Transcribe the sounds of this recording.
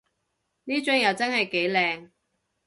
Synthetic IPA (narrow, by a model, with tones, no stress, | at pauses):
niː˥t͡ʃʊ˨˥ŋjɐ˨˧wt͡sɐ˥nhɐ˨jke˨˥jlɛː˨ŋ